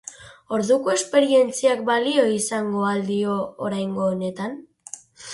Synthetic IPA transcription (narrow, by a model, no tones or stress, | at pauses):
o̞ɾðuko̞e̞spe̞ɾie̞nt͡siakbalio̞isaŋɡo̞ald̪io̞ːɾajŋɡo̞ːne̞t̪an